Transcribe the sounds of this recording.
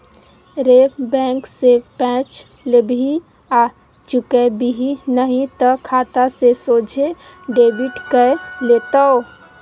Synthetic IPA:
ɾepbɛ̃ːŋksepɛ̃ːt͡ʃ | lebʱi | a | t͡ʃʊkebiɦinəɦĩt̪əkʰaːt̪asesoːd͡ʒʱe | ɖeːbiʈkəeleːt̪ao

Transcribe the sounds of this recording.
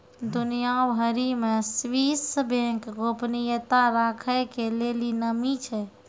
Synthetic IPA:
d̪unijabɦəɾimẽswisəbʱẽkɡopnijət̪aɾakʰəjkelelinəmit͡ʃʰɛ

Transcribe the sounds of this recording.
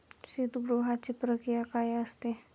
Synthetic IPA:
sit̪ɡɾuɦat͡ʃipɾəkɾijakajaəst̪e

